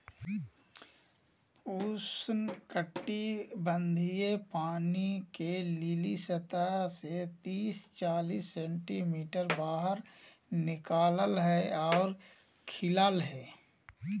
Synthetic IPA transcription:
puːsnkəʈːibə̃nd̪ʱijepaːnikelilisət̪aset̪iːst͡ʃaːliːsːɛ̃ːɳʈimiːʈəɾbaːɦəɾ | nɪkaːləlɦɛɔːɾ | kʰɪlaːlɦɛː

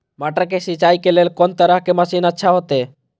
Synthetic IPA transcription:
maːʈəkesit͡ʃaːikeleːlkont̪əɾəɦkeməsiːnətːʃʰaɦot̪e

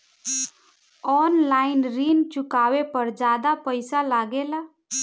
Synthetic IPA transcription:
ɔnlainɾiːnt͡ʃʊkaʋepəɾd͡ʒad̪apəɪjsalaɡela

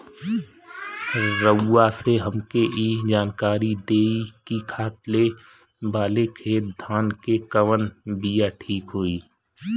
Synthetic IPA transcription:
ɾəːaseɦəmkeʔid͡ʒaːnkaːɾid̪eːikikʰaːt̪le | baːlekʰeːt̪̚d̪ʱaːnkekəʋənbijaʈʰiːkɦoːiː

